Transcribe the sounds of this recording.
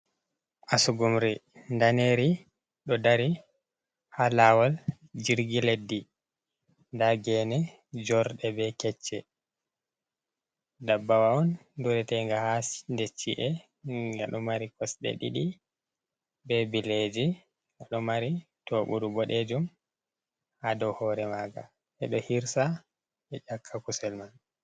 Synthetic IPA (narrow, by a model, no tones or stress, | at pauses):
ʔasuɡumɾindaneɾi | ɗɔdaɾi | halawal | d͡ʒiɾɡiledːi | ndaɡɛnɛ | d͡ʒɔɾɗɛbɛkɛt͡ʃːɛ | dabːawaɔnduɾɛtɛŋɡahasndet͡ʃːiʔɛ | ŋɡa̰ɗɔmaɾikɔsɗɛ̰ɗḭɗi | bɛbiled͡ʒi | ŋɡaɗɔmaɾitoɓuɾubɔɗed͡ʒum | hadɔhɔɾɛmaɡa̰ | ʔɛ̰ɗɔhiɾsa | ɛt͡ʃakʰːakusɛlman